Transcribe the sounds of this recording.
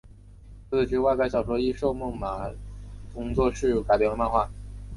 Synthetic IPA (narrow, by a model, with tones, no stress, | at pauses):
t͡sɹ̩˥˩t͡ɕy˥wa˥˧ɪka˥˧ɪɕjɑ˥˩ʊʂwɔ˧˥i˥ʂo˥˧ʊmu˥˩ŋma˨˩kʊ˥ŋt͡swɔ˥˧ʂɻ̩˥˩ka˨˩ɪpjɛ˥˩lə˧ma˥˧nxwa˥˩